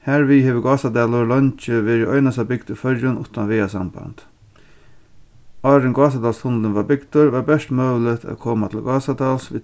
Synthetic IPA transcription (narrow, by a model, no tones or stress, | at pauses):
hæːɾʋɪheːʋəɡɑːsad̪ɑːlʊlœnt͡ʃəʋeːɾɪʔɔʏnasabɪɡd̪ʊfœɾjʊnʔʊ̰t̪anʋɛːasɑmba̰nt̪ | ɑːɾɪŋɡɑːs̬ad̪ɑːlst̪ʰʊnlənʋaːbɪɡd̪̥ʊɾʋɑːɾbɛʂʈmœːʋlɪt̪ʰa̰t̪kʰoːmat̪ʰɪlɡɑːsad̪ɑːlsʋɪ